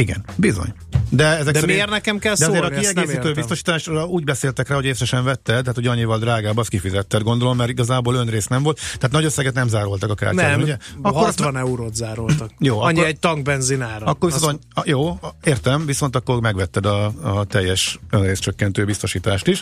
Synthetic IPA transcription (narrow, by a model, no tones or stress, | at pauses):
iɡɛ̰nbizo̰ɲ | d̪ɛɛzɛkd̪ɛmirnɛkɛmkɛlsd̪ɛɒoːeːɾɒkiɛɡeːsiːt̪øːbist̪o̞ʃi̥ːt̪aːʃrɒuːɟbɛseːlt̪ɛkraːho̞jeːsɾɛʃɛɱvɛt̪ːɛd̪aːt̪ʰuɟɒɲːivɒld̪ɾaːɡaːbɒskifizɛt̪ːɛd̪̚ɡo̞nd̪o̞lo̞mːɛɾiɡɒzaːboːlønreːsnɛmvo̞lt̪t̪ːɛaːt̪nɒɟøsːɛɡɛt̪nɛmzaːɾo̞lt̪ɒkɒka̰ːrauɟɛɒkoɾt̪ʋɒnɛuɾoːt̪zaːɾolt̪ɒk̚joːɒɲːiɛɟ̚t̪ɒŋɡ̚bɛnzinaːɾɔɒkːorvisojoːeːrt̪ɛmviso̞nt̪ɒkːo̞rmɛɡʋɛt̪ːɛd̪ɒt̪ɛjːɛʃønreːstt͡ʃøkːɛnt̪øːbist̪o̞ʃiːt̪aːʃt̪iʃ